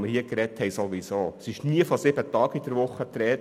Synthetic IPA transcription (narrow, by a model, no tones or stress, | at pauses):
məɾhiəkɾɛt̪hɛɪsoʋisoːsɪʃniəfɔsɪbətɑːkid̥əɾʋʊχːət̪ɾɛːt